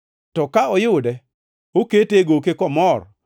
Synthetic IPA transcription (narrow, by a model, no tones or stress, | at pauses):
tɔkaɔjʊdɛ | oketeɡokekɔmɔr